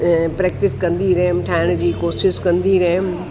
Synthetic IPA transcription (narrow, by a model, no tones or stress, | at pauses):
pɾɛːk̚ʈɪskɐ̃nd̪iɾɐɦmʈʰaːɪɽ̃d͡ʑiːkoːʃɪskɐ̃nd̪iɾɐɦɪm